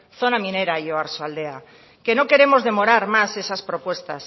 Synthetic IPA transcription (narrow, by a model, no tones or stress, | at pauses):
θonamĩneɾaijoaɾsoald̪ea | kenoke̞ɾemozðe̞moɾaɾmasesaspɾopwest̪a̰s